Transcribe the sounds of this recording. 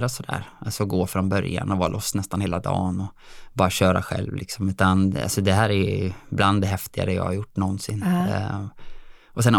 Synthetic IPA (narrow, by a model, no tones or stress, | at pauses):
ɾasɔd̪æ̰ːɾasɔɡoːfɾɔnbœɾja̰nɔvɑːlɔst̪nɛst̪anheːlad̪ɑ̰ːnɔbɑːɾaɕœːɾa̰ɧɛ̰lvlɪksɔmʉ̟ːt̪ana̰lsɔd̪ɛɦæːɾæɾbland̪ɛɦɛft̪ɪɡa̰ɾəjɑ̰ːhaɾjʊʈːnɔnːsɪnː | ʔɔsɛn